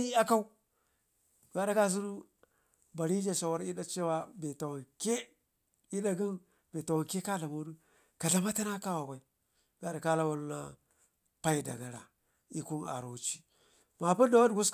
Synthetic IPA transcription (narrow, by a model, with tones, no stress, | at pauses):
i˦a˦ka˦u˦˨ | a˨da˨ka˦zu˦ɾu˦ | ba˨ɾi˦d͡ʒa˨ʃa˨wa˦ɾi˦da˦t͡ʃe˦wa˦be˨ta˨wa˨nke˦ | i˦da˦ɡi˦n | be˨ta˨wa˨nke˦ka˦ɬa˨mo˦du˦ | ka˨ɮa˨ma˦ta˦na˦ka˦wa˨ɡʷa˨i˦ | ɡa˨da˨ka˦la˦wa˨lna̰˦ | pa˦i˦da̰˨ɡa˨ɾa̰˨ | i˦ku˦na̰˨ɾo˨˦t͡ʃi̥˦ | ma˨pu˦da˨wa˦dɡu˦s